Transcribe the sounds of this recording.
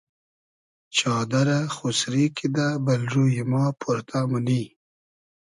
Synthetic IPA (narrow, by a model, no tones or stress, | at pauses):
t͡ʃɑːd̪aɾaxusɾikid̪abalʐujimɑːpʰuɾt̪ʰamuni